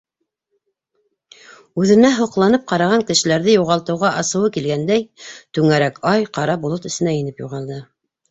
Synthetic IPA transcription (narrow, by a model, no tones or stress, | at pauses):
ʉðɘ̆næɦŏqlˠɑnɤp̚qɑɾɑʁɑŋkɘ̆ʃɘ̆læɾðɘjuʁɑlˠt̪ɤ̆wʁɑʔɑsɤ̆wɤkilɡænd̪æjt̪ʉŋæɾækɑjqɑɾɑbulˠot̪ɵ̆st̪ɘ̆næjĭnɘpjuʁɑlˠd̪ɤ